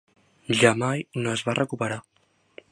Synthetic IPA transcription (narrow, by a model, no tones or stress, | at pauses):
ʒamajnoəzβarʔəkupəɾa